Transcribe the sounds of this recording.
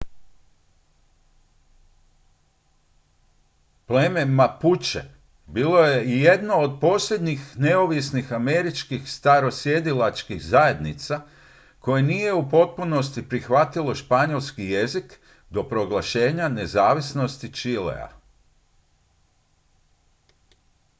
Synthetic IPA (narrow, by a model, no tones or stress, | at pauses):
plememaput͡ʃe | biːlo̞jeije̞d̪no̞ːd̪̚po̞ːsʎʲe̞d̪ɲixneoʋisnixameɾit͡ʃkixst̪aɾo̞sje̞d̪ilat͡ʃkixzaje̞d̪nit̪sa | ko̞jenije̞upo̞t̪̚puno̞st̪ipɾixʋat̪ilo̞ʃpaɲo̞lˠskije̞zik | d̪o̞pɾo̞ɡlˠaʃe̞ːɲane̞zaːʋisno̞st̪it͡ʃilḛa̰